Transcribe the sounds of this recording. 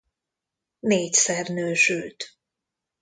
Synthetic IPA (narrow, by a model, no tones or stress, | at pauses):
neːcsɛrnøːʃylt̪